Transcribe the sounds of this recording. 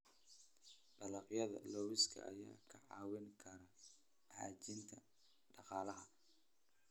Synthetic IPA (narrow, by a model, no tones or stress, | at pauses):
ɖɐlɑqjɐðɐ̰lɔwɪskʰɐ̰ʔɐ̰jaːkʰɐʕɑːwɪŋkʰɐɾɐ | ʕɑ̰ːt͡ʃɪnt̪ʰɐ | ɖɑqɑːlɐɦɐ